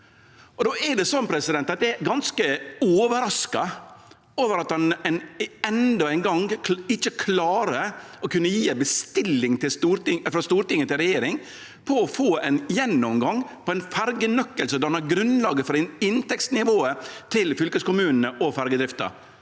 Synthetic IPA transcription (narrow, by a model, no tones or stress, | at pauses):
ɔd̪oːɛɖɛsɔnːpʰɾɛsɪd̪ɛnt̪ɑt̪̚d̪ɛɛɾɡɑnskəoːʋəɾɑskɑ | oːʋəɾɑt̪hɑnɛnɛnd̪ɔæɪnɡɑŋɪt͡ʃːəkʰlɑːɾəɔkʰʉnːəjiːæbəst̪ɪlːɪŋt̪ɪst̪uːɾɪfɾɑst̪uːɾʈ̪ɪŋːət̪ɪlɾɛjeːɾɪŋ | pʰɔɔfoːɛnjɛnːɔmɡɑŋpʰɔæɪnfæɾɡənœkːəlsəd̪ɔhɑnæɾɡɾʉnlɑːɡəfɔɾɪɪnt̪ɛksnɪʋoːət̪ʰɪlfʏlkəskʊmʉːnənəʔɔfæɾɡəd̪ɾɪft̪ə̰ɾ